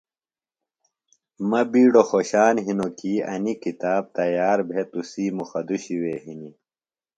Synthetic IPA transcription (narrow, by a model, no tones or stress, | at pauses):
mɐbiːɽoxoɕaːnɦinokiːɐ̰nikit̪aːb̚t̪ɐjaːɾbʱet̪usiːmuxɐd̪uɕiweːɦini